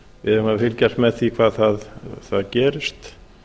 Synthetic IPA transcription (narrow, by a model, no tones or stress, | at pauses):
vɪðhʏmhaðfɪlcɛr̥t̪mɛðθikʰvaːðθaðθaðcɛːɾɪst̪